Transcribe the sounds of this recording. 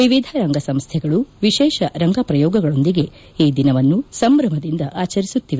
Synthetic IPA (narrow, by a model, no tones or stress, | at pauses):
ʋiʋid̪ʱɐɾɐŋɡɐsɐmst̪ʰɛɡɐɭuʋiʃɛːʃɐɾɐŋɡɐpɾɐjɔːɡɐɡɐɭo̞nd̪iɡe̞ | iːd̪inɐʋɐnːusɐmbɾɐmɐd̪ind̪ɐʔaːt͡ʃɐɾisut̪ːiʋe